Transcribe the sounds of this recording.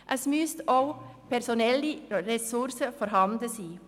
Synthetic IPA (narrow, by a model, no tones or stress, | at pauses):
ʔæsmyːst̪opʰæɾsʊnɛliɾɛsʉɾsəfɔɾɦɑnd̪ləsiː